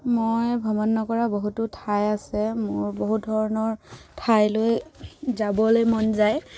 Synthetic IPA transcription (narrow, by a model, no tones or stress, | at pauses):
mojbʱɔmɔnːɔkɔɹaboɦutʊtʰajasɛmʊɹboɦut̚dʱɔɹɔnɔɹtʰajlojzabɔlojmɔnzaj